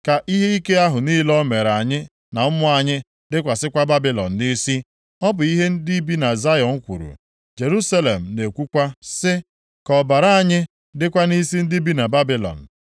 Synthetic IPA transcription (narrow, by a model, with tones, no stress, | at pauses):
ka˨ʔi˦ɦe˦i˦ke˦a˦ɦʊ˨niː˦lɔ˦me˨ɾa˨ɲɪ˦ | na˨ʊ˦mʊ˦a˨ɲɪ˦ | dɪ˦kʷa˨sɪ˦kʷa˦ba˦bi˦lɔ̰˨n̩˨ni˦si˦ | ɔ˦bʊ˨i˦ɦe˦n̩˦di˦bi˦na˨za˦jɔ˨ŋ̩˦kʷṵ˨ɾṵ˨ | d͡ʒe˨ɾu˦sa˦le˨m̩˨ne˨kʷu˦kʷa˦sɪ˦ | kɔ˨ba˨ɾa˦a˨ɲɪ˦ | dɪ˦kʷa˦ni˦si˦n̩˦di˦bi˦na˨ba˦bɪ˦lɔ̰˨n̩˨